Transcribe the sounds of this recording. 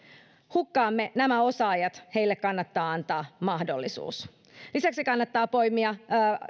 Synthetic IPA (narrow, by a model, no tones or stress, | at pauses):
hukːɑːmːe̞næmæo̞sɑɑjɑt̪he̞ilːekkɑnːɑt̪ːɑːɑnt̪ɑːmɑhdolːisṵːs | lisæksikɑnːɑt̪ːɑːpo̞jmiɑː